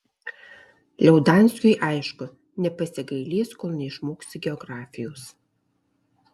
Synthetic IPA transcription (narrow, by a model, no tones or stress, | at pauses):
lʲɛʊd̪ɑˑnʲsʲkʲʊjʔɑˑɪʃkʊ | nʲɛpɐsʲɪɡɐɪlʲiːskɔlˠnʲɛɪʃmoːksʲɪɡʲɛɔɡɾɑːfʲɪjoːs